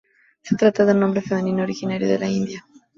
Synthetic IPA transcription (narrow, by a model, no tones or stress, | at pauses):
set̪ɾat̪ːaðelnõmbɾefemeninoɾiɣinaɾjuðḛlaind̪ja